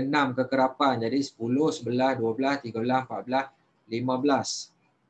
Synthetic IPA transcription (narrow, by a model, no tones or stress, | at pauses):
ənãmkəkəɾapand͡ʒadisə̥pulʊhsəbəlasduabəlast̪iɡabəlasmpaʔ̚bəlas | limãbəlas